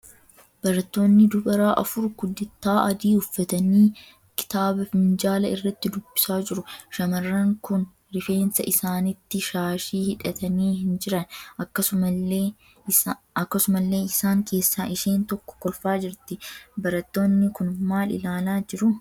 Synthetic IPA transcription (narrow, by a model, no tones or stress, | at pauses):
b̥ɐɾɐt̪ːo̞ːnːɪd̪ʊbɐɾaːʔɐ̰fʊɾɡʊd̪ɪt̪ːaːʔɐd̪iːʊfːɐt̪ɐniː | kɪ̥t̪aːbɐfɪnd͡ʒaːlɐɪrːɐt̪ːɪd̪ʊb̥ːɪ̥saːd͡ʒɪɾʊʃɐmɐrːɐŋkʊn | ɾɪfe̞ːnsɐʔɪsaːnɪt̪ːɪʃaːʃiːhɪᶑɐt̪ɐniːhɪnd͡ʒɪɾɐnɐkːɐsʊɐeː | ɐkːɐsʊmɐlːe̞ːɪsaːŋkʰe̞ːsːaːʔɪʃe̞ːnt̪ɔkːɔ̥kɔlfaːd͡ʒɪɾt̪ɪbɐɾɐt̪ːo̞ːnːɪkʊnmaːlɪ̰laːlaːd͡ʒɪɾʊ